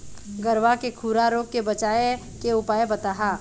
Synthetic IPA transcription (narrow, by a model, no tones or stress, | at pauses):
ɡɐɾʋakekʰuːɾaɾoːɡ̚kːebɐt͡ʃaːe | keʊpaːebɐt̪aːɦaː